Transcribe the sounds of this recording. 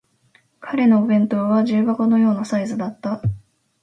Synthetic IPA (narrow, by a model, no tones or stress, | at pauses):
kʰaɾe̞no̞ːbẽ̞nt̪o̞βaʑɨːbakono̞jo̞ːnasaizɨd̪at̪ːa